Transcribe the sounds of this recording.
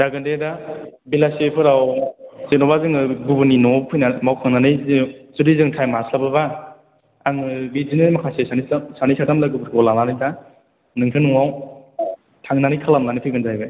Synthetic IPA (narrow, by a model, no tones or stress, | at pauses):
daɡɯndedabilasepʰɯɾawzenɔbazɯŋɯɡubɯninɔpʰɯjnamawkʰaŋnanɯjzuɾizɯŋtʰajmaslabɯβa | aŋɯbizinɯmakʰasesansanisatamlaɡɯbɯɾkʰɔwlananɯda | nɯŋtʰɯnɯŋaw | tʰaŋnanɯjkʰalamnanɯpʰɯɡɯndajbɯ